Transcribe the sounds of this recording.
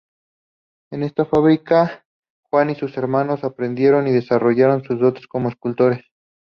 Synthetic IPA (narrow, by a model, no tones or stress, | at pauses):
e̞ne̞st̪afaβɾika | xwanisuse̞ɾmano̞sapɾe̞nd̪je̞ɾo̞niðe̞saro̞ʝaɾo̞nsuzðo̞t̪e̥sko̞moeskult̪o̞ɾe̞s